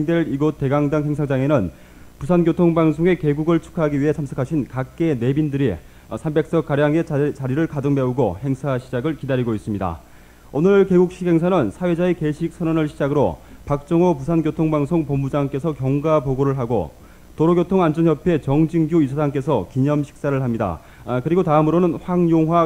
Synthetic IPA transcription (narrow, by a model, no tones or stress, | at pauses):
ŋdwe̞ɾiɡot͈e̞ɡaŋdaŋɦe̞ŋsʰad͡ʑaŋe̞nɯn | pusʰankjotʰoŋbaŋsʰoŋe̞ke̞ɡuɡɯɭt͡ɕʰu̥kʰaɦaɡiɥiɦe̞t͡ɕʰamsʰʌkʰaɕʰinkak͈̚e̞ne̞bindɯɾi | sʰambe̞k̚s͈ʌk͈aɾjaŋe̞t͡ɕaɾiɾɯɭkadɯŋme̞uɡohe̞ŋsʰaɕʰid͡ʑaɡɯɭkidaɾiɡois͈ɯmɲida̰ | onɯɭke̞ɡuk̚ɕ͈ʰikhe̞ŋs̬ʰanɯnsʰawe̞d͡ʑaeke̞ɕʰik̚s͈ʰʌnʌnɯɭɕʰid͡ʑaɡɯɾo̰pak̚t͡ɕ͈ʌŋopusʰankjotʰoŋbaŋsʰoŋpʌmbud͡ʑaŋk͈e̞sʰʌkjʌŋɡapoɡoɾɯɭɦaɡo̰ | toɾoɡjotʰoŋand͡ʑʌnjʌpʰe̞t͡ɕʌŋd͡ʑiŋɡjuisʰasaŋk͈e̞sʰʌkiɲʌmɕʰi̥k̚s͈aɾɯɭɦamɲida̰ | kɯɾiɡotaɯmɯɾonɯnɸwaŋjoŋɦwa